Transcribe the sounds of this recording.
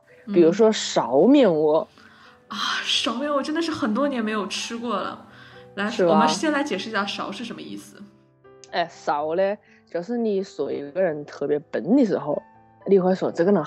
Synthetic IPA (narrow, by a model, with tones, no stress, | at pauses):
pi˨˩ɻu˧˥ʂ̬wɔ˥ʂɑ˧˥ʊmjɛ˥˧˩nwɔ˧˩˦ | ɐ˥˩ʂɑ˧˥ʊmjɛ˥˩nwɔ˧˩ʈ͡ʂə˥nd̪ə˧ʂ̬ɻ̩˥˩xə˨˩nt̪̬wɔ˥njɛ˧˥nme˧˥ɪjo˨˩ʊʈ͡ʂʰɻ̩˥kwɔ˥˩lə̰˩la˧˥ɪʂɻ̩˥˩˨a˧ə˦ʂ̩˥˩ɕjɛ˥˧nla˧˥ɪt͡ɕjɛ˨˩ʂɻ̩˥˧˥ɕja˥˩ʂɑ˨˧˥ʊʂɻ̩˥˩ʂə˧˥nmə˧ḭ˥˩sɹ̩˩ | ɛ˥˩ʂɑ˨˩˦ʊlɛ˥˧ | ʈ͡ʂo˨˧˩ʂ̩˥˩ni˨˩˥swɔ˨˩ḭ˧˥ɡə˥˧ɻə˧˥nt̪ʰɤ˥˩pjɛ˧˥pə˧˥nni˧˩ʂɻ̩˧˥xo˥˧˩ʊ | li˥˧xwa˧˥ɪswɔ˨˩t͡s̩˥ə˥nə˨˩